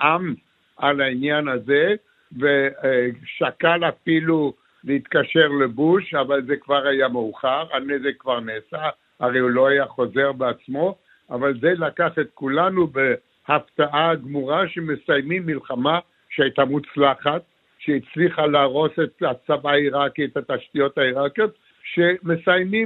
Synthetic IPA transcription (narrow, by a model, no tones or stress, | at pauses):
ʔam | alainjanaze | ve | ʃakalafilu | leit̪kaʃe̞ʁlebuʃavalzekvaʁajameuχaʁanezekvaʁneːsa | aʁejulo̞ajaχo̞ze̞ʁbeat͡smo̞ | avalzelakaχet̪̚kulanube | haft̪aʔaɡmuʁaʃemesajmimːilχama | ʃeajt̪amut͡slaχat̪ | ʃeit͡sliχalaːʁo̞set̪at͡sabaiʁakiet̪at̪aʃt̪ijo̞t̪aiʁakjot̪̚ | ʃemesajmi